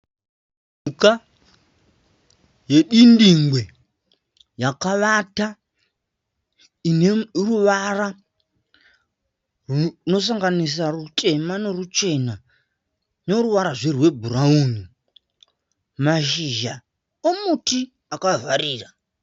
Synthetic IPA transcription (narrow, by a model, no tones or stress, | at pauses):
uka | je̞ɗindiŋɡwe̞ | jakaʋata | ineruʋara | runo̞s̬aŋɡanis̬arutʼe̞mane̞rut͡ʃe̞na | noɾuʋaɾaʐerwe̞bʱurauːni | maʃiʒa | omuti | akavaɾiːra